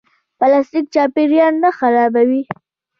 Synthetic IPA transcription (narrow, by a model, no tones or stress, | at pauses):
palast̪ik̚t͡ʃɑpeɾjɑnːaxaɾɑbawi